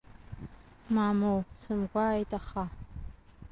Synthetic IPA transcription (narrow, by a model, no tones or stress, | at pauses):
mamowsɨmɡʷaːjtʼaχa